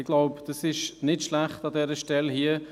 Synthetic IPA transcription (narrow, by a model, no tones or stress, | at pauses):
ɪɡ̥laʊpd̥ɑsɪʃnɪtʃlæχtɑdɛɾəʃtɛlhiə